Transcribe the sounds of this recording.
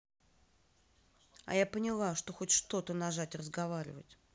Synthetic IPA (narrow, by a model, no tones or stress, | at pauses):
ɐ̰japənʲɪlˠaʂt̪o̞xo̞tʲʂt̪o̞t̪ənaʐatʲrəzɡɐvaɾʲɪ̰və̰tʲ